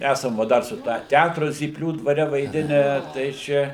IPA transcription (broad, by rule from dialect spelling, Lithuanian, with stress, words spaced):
ˈæsɐm ˈʋɐ ˈdɐr sʊ ˈtɑː ˈtʲætrʊ zʲiːpʲˈlʲuː dʋɐˈrʲɛ ʋɐɪˈdʲɪnʲæː tɐɪ ˈt͡ʃʲɛ